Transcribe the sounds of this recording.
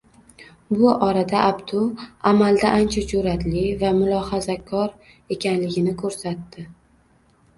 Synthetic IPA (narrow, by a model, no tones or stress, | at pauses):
bʊʔɒɾad̪aʔabt̪ʰʊamald̪aʔant͡ʃʰat͡ʃʰuɾat̪lɪvamʊlˠɒhazakʰɒɾ | e̞kʲanlɪɡʲɪnɪkʰɵɾsat̪ːɪ